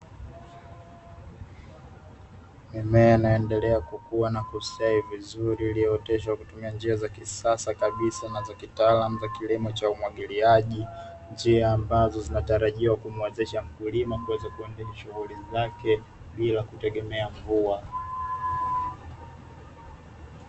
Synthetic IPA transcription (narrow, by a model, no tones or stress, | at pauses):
mimɛnajɔɛndɛlɛakukuwanakusaivizuɾiliɛɔtɛʃ̬aakutumiand͡ʒiazakisasakaɓisanazakitaːlamuzakilimɔt͡ʃaumwaɠiliaʄi | nd͡ʒiaːmbazɔzinataɾaʄiwakumwɛzɛʃam̩kulimakuwɛzakuɛndiniʃuɣulizakɛ | ɓilakutɛɠɛmɛaɱvua